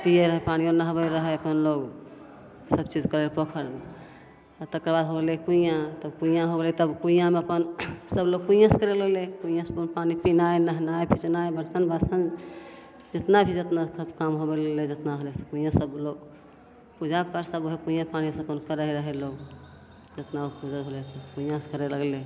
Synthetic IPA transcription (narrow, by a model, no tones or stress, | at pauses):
pieɾəɦɛpañionəɦbəɾəɦɛəpənloɡ | səbt͡ʃid͡ʒkəɾelepokʰəɾme | at̪əkɾəbad̪ɦoɡelekuĩjãt̪əbkũĩjãɦoɡelet̪əbkuĩjãmeəpənsəbloɡ̚kuijãskəɾellekuijãspənpanipinaenəɦnajpʰit͡ʃnajbəɾsənbəsən | d͡ʒet̪nabʰʱid͡ʒet̪nasəbkamɦobelled͡ʒet̪naɦolese̥kũĩjãsəbloɡ̚ | pud͡ʒʱapəɾsəboɦekũĩjãpanisəkonkəɾəɦɛɾəɦɛloɡ | d͡ʒet̪naokud͡ʒəɦolesekũijãse̥kəɾeləɡle